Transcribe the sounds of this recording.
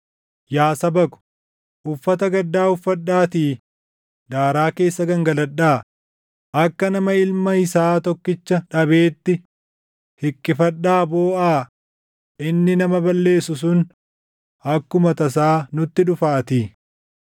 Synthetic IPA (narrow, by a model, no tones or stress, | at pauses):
jaːsɐbɐkʊ̥ | ʔʊfːɐt̪ɐɡɐd̪ːaːʊfːɐᶑːaːt̪iː | d̪aːɾaːke̞ːsːɐɡɐŋɡɐlɐᶑaː | ʔɐkːɐnɐmɐɪlmɐhɪsaːt̪ɔkːɪt͡ʃːɐᶑɐbe̞ːt̪ːɪ | hɪkːɪfɐɗːaːboːʔaː | ʔɪnːɪnɐmɐbɐlːe̞ːsʊs̬ʊn | ɐkːʊmɐt̪ɐs̬aːnʊt̪ːɪᶑʊfaːt̪iː